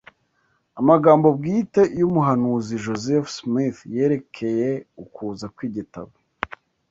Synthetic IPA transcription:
amaɡaːmbo̞b̚ɡiːte̞jumuɦanuːziʒo̞zefsmiθje̞ːɾe̞kʰe̞je̞ukuːzakwiːɟita̰βe

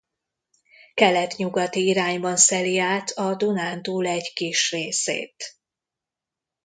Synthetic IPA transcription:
kɛlɛt̪ɲuɡɒt̪iiɾaːɲbɒnsɛliaːt̪ʰɒd̪unaːnt̪uːlɛɟkiʃreːsḛːt̪

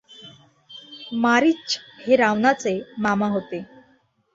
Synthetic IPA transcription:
maɾit͡ɕheɾaʋnat͡semamaɦot̪e

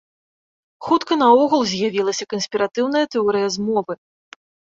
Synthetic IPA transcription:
xut̪kɐnɐɔɣulˠzʲjavʲilˠɐsʲɐkɐnsʲpʲiɾat̪ɨwnɐjɐt̪ɛɔɾɨjɐzmɔvɨ

